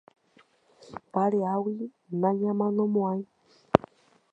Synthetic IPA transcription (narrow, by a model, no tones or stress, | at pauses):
baɺɛawi | naɲamanɔmwai